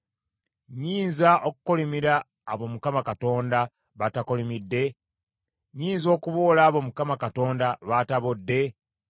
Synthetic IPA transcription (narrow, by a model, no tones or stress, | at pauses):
ɲiːnzaʔoku̥kolimiɾaː | βo̞mukamakato̞ːnda | βatakolimidːe̞ | ɲiːnzo̞ːkuβolaːβo̞mukamakato̞ːndaβataβodːe̞